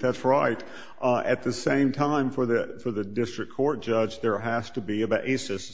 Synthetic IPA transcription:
ðætsɹaɪt | ɨt̪̚ðɨsẽɪ̃mtʰãɪ̃ɱfə˞ðɨfə˞ðɨdɪstɹ̥ɨkʰɔɹt̚d̥ʒ̥ʌd͡ʒðə˞ɦæz̥tɨbiɨbʔeɪsɪs

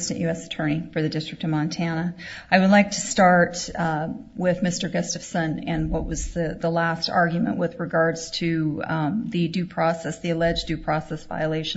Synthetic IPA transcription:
stɨ̃nʔjʉɛsɨ̥tʰɜ̃˞nifə˞ðɨdɪstɹ̥ɨk̚tʌvmɑ̃ntʰænəaɪwədˡlaɪk̚tʰɨ̥stɑɹt | wɪðmɪstə˞ɡɛstɨfsə̃nɪ̃nwʌʔ̚wʌzðɨðəlæstɑ̰ɹɡjmɨ̰̃nʔwɨðɹɨɡɑɹdz̥tʰɨ | ðɨdʉpʰɹ̥ɔsɛsðiɨlɛd͡ʒdʉpʰɹ̥ɔsɛsva̰ɪəleɪʃ

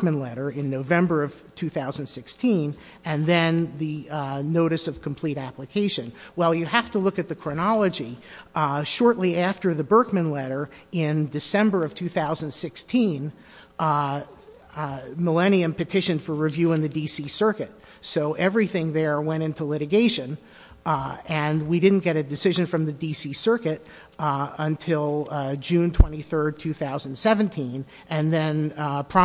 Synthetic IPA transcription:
mɨ̃nlɛɾə˞ɪ̃nːoʊvɛ̃mbə˞ʌv̥tʰʉθaʊz̃n̩dsɪkstʰĩn | ɨ̃nðɨ̃nðɨnoʊɾɨsʌv̥kʰm̩pʰl̥iɾæpləkʰeɪʃɨ̃nwɛlˠjɨhæftəlʊkɨt̪̚ðɨkʰɹ̥ɨnɑlˠəd͡ʒi | ʃɔɹʔˡliæftə˞ðɨbɜ˞k̚mɨ̃nlɛɾə˞ | ɪ̃ndɨsɛ̃mbə˞ʌv̥tʰʉθaʊzɨ̃n̩d̥sɪkstʰĩn | məlɛñiɨ̃mpɨtʰɪʃɨ̃nfə˞ɹɨvjʉɪ̃ŋðɨdisisɜ˞kɨt̚ | soʊʔɛvɹiθɪ̃ŋðə˞wɛ̃ɾ̃ɪ̃ntulɪɾɨɡeɪʃɨ̃n | ɨ̃nwidɪdⁿn̩ɡ̥ɛɾɨdɨsɪʒɨ̃nfɹʌ̃mðɨdisisɜ˞kɨɾ | ə̃ntʰɪlˠd͡ʒʉ̃ntʰw̥ɛ̃ɾ̃iθɜ˞d̚tʰʉθaʊz̃n̩dsɛvɨ̃ntʰĩn | ʔɨ̃nðɨ̃npʰɹ̥ɑ

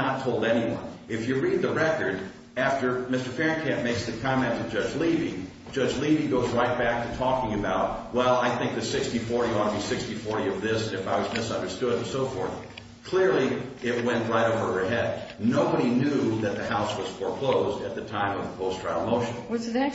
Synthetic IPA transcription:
ətʰoʊlˠdɛñiwʌ̰̃nɨfjɨɹid̪̚ðɨɹɛkə˞ɾ | æftə˞mɪstə˞fɛɹnkʰæ̃nmeɪksðɨkʰɑmɛ̃ntʰɨd͡ʒʌd͡ʒlivi̥ | d͡ʒʌd͡ʒliviɡoʊzɹaɪt̚b̥æk̚tʰɨtʰɔkɪ̃ŋɨbaʊt̚wɛlˠaɪθɪ̃ŋk̚ðɨsɪkstifɔɹɾiə̃nəbisɪkstifɔɹɾiʌvðɪsɨ̃nɨfaɪwʌzmɪsʌ̃ndə˞stʊɾnsoʊfɔɹθ | kʰl̥ɪɹlˠiɪt̚wɛ̃nʔɹaɪɾoʊvə˞ə˞ɦɛd̚noʊbəɾinjuðɨt̪̚ðɨhaʊswʌz̥fə˞kʰl̥oʊzdɨt̪̚ðɨtʰãɪ̃mʌvðəpʰoʊstɹ̥aɪl̩ˠmoʊʃɨ̃n̩wʌzɨæ

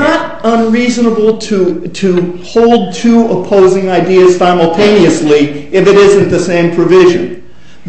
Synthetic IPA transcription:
nəɾə̃nɹiznəbl̩ˠtʰɨtʰɨhoʊlˠd̚tʰuəpʰoʊzɪ̃ŋaɪdiɨz̥sãɪ̃ml̩ˠtʰẽɪ̃niɨsliɨfɨɾɪzɨ̃nðɨsẽɪ̃mpʰɹ̥ɨvɪʒɨ̰̃n

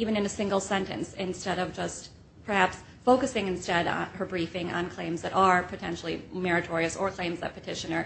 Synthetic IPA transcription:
ivɨ̃nɨ̃nɨsɪ̃ŋɡl̩ˠsɛ̃ntɨ̰̃nsɪ̃nstɛɾʌvd͡ʒʌst̚ | pʰə˞hæps | foʊkɨsɪ̃ŋɨ̃nstɛɾ̰nə˞bɹifɪ̃ŋə̰̃nkʰl̥ẽɪ̃mzðɨɾə˞pʰɨtʰɛ̰̃nʃl̩ˠḭmɛɹɨtʰɔɹiɨsə˞kʰl̥ẽɪ̃mzðɨ̰t̚pʰɨtʰɪʃɨnə˞

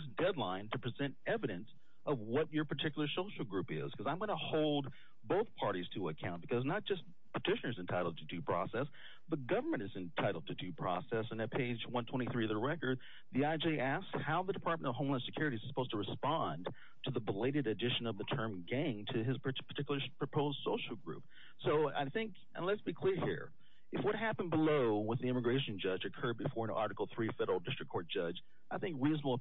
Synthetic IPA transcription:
zdɛdˡlãɪ̃ntʰɨpʰɹ̥izɛ̃ntɛvɨɾɨ̃ns | ʔʌvwʌt͡ʃə˞pʰə˞tʰɪkjl̩ˠə˞soʊʃl̩ˠɡɹʉpɪ̰z̥kʰʌzãɪ̃mɡʌnəhoʊlˠd̚ | boʊθpʰɑɹɾiz̥tʰɨəkʰãʊ̃nb̥ɨkʰʌznət̚d̥ʒ̥ʌs | pʰə̥tʰɪʃɨ̃nə˞zɨ̃ntʰaɪɾl̩ˠd̚tʰɨdɨpʰɹ̥ɔ̰sɛs | ðəɡʌvə˞mɨ̃ñɨzɨ̃ntʰaɪɾl̩ˠd̚tʰɨdɨpʰɹ̥ɔ̰sɛsɨ̃nɨt̚pʰeɪd͡ʒwʌ̃ntʰw̥ɛ̃ɾ̃iθɹiðəɹɛkə˞d̪̚ | ðiaɪd͡ʒiʔæskshaʊðədɨpʰɑɹt̚mə̃ñʌv̥õʊ̃mlãnsɨkʰj̥ʊɹɨɾizsə̥pʰoʊz̥tʰəɹɨspɑ̃n | tʰɨðəbəleɪɾɨɾɨdɪʃɨ̃nʌvðɨtʰɜ̃˞mɡæ̃ŋtʰɨɪz̥ppʰə̥˞tʰɪkjl̩ˠə˞pʰɹ̥ɨpʰoʊzd̥soʊʃl̩ˠɡɹʉ̰p̚ | soʊa̰ɪθɪ̃ŋk | ʔə̰̃nlətsb̥ikʰl̥ɪɹhḭɹ | ɨfwʌt̚ɦæpn̩bəloʊwɨðiɪ̃mɨɡɹeɪʃɨ̃n̩d͡ʒʌd͡ʒɨkʰɜ˞d̚bɨfɔɹɨ̃nʔɑ̰ɹɾɨkl̩ˠθɹifɛɾə˞l̩ˠdɪstɹ̥ɨkʰːɔɹt̚d̥ʒ̥ʌd͡ʒ | ʔaɪθɪ̃ŋkɹiznəb̩ˠ

